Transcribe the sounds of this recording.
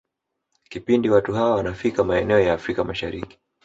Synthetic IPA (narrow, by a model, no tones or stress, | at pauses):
kipindiwatuɦaawanafikamaɛnɛɔjaːfɾikamaʃaɾiki̥